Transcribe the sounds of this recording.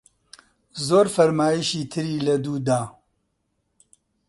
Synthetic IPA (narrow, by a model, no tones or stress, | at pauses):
zoːɾfɐɾmaːjiʃiːt̪ʰɨɾiːlɐd̪uːd̪aː